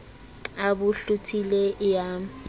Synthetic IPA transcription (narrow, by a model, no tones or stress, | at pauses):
abuɬutʰilɛja